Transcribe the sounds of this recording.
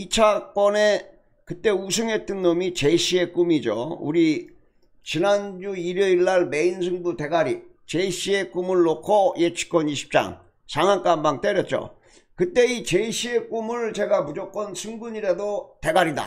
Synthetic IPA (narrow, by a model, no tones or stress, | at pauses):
it͡ɕʰak͈wʌne̞ | kɯt͈e̞usʰɯŋet͈ɯnːomit͡ɕe̞iɕ͈ʰie̞k͈umid͡ʑo̰uɾi | t͡ɕinand͡ʑuiɾʌiɭːaɭme̞insʰɯŋbute̞ɡaɾi | t͡ɕe̞iɕ͈ʰie̞k͈umɯɭːokʰʌjet͡ɕʰi̥k͈ʌniɕʰi̥p̚t͡ɕ͈a̰ŋ | sʰaŋɦank͈ambaŋt͈eɾjʌt̚t͡ɕ͈o̰ | kɯt͈e̞it͡ɕeiɕ͈ʰie̞k͈umɯɭt͡ɕe̞ɡamud͡ʑok͈ʌnsʰɯŋɡuɲiɾadote̞ɡaɾida̰